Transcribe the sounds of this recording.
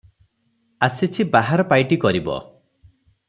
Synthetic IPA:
asit͡ʃʰibaɦaɾɔpajʈikɔɾibɔ̰

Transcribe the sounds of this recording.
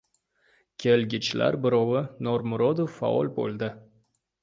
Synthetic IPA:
kʲʰelɡʲɪt͡ʃla̰ɾbɪɾɒwɪnoɾmʊɾod̪ofːa̰ɒ̰lˠbo̰lˠd̪ɪ

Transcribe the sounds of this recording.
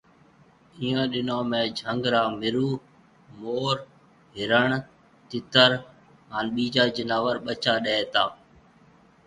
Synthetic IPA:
iːãːɗɪnoːmẽːd͡ʒʱə̃ŋɡɾaːmɪɾuː | moːɾ | ɦɪɾəɳ | t̪ɪt̪əɾ | ɦaːnɓiːd͡ʒaːd͡ʒɪnaːʋəɾɓət͡ʃaːɗeeːt̪aː

